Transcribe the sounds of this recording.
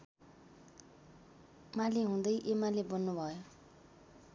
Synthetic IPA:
maliɦũd̪ʌjʔemalebʌnːubʱʌjo

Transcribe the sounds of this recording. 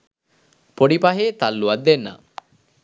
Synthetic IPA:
poɖipaɦeːt̪alːuɐd̪ːenːa̰

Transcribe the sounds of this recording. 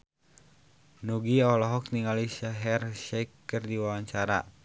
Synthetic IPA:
nuɡiɔlɔɦɔk̚t̪iŋaliʃaɦɛrʃɛkːərdiwawaɲt͡ʃaɾa̰

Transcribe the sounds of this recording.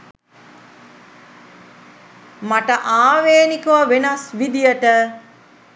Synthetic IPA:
maʈəʔaːʋeːnikuʋɐʋenasʋid̪ijəʈə

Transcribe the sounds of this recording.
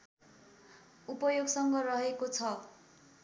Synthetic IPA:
upʌjoɡsʌŋɡʌrʌɦekot͡sʰʌ

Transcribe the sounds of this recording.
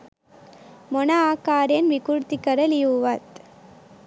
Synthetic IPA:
mɔnɐaːkaːɾenʋɪkuɾt̪ikːɐɾɐlijuʋaːt̪

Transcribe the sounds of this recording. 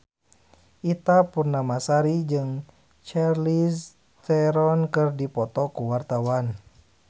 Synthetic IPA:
ʔit̪apurnamasaɾid͡ʒɨŋ | t͡ʃɛrlis | t̪ɛɾɔnkɨrdipɔt̪ɔkuwart̪awan

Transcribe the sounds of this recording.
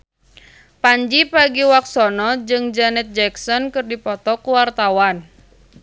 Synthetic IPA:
paɲd͡ʒipaɡiwak̚sɔnɔd͡ʒɨŋd͡ʒanɛt̪̚d͡ʒɛksɔnkɨrdipɔt̪ɔkuwart̪awan

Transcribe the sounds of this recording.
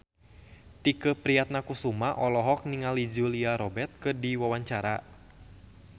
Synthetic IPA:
t̪ikəpɾiat̪̚nakusumaʔɔlɔɦɔk̚niŋalid͡ʒuliaɾɔbɛrt̪̚kɨrdiwawaɲt͡ʃaɾa̰

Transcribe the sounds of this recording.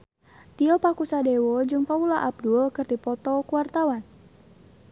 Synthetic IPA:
t̪iɔpakusadewɔd͡ʒɨŋpaulaʔab̚dulkɨrdipɔt̪ɔkuwart̪awan

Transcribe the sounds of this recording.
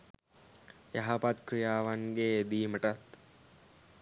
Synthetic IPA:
jaɦapat̪̚kɾijaːʋaŋɡed̪iːməʈat̪

